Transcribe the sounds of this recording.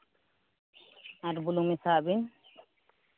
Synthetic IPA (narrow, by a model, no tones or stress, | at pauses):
aɾbulumisaːbin